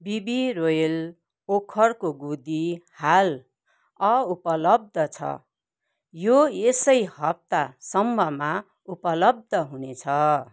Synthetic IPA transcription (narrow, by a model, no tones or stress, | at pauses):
bibirojel | pokʰʌrkoɡud̪ihal | ʌupʌlʌb̚d̪ʱʌt͡sʰʌ̰ | joesʌjhʌp̚t̪asʌmbʱʌma | upʌlʌb̚d̪ʱʌɦunet͡sʰʌ